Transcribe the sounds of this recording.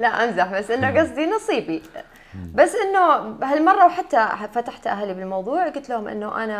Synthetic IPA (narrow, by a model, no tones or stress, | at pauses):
laʔamzaħbasːʔɪnːaɡɑs̬ˤd̪inɑsˤiːbi | basːʔɪnːʊɦalmɑrˤːɑwħat̪ːafat̪aħt̪ʔaɦalːibɪlmɑwðˤuːʕɡʊlt̪lahʊmʔɪ̰nːʊʔa̰na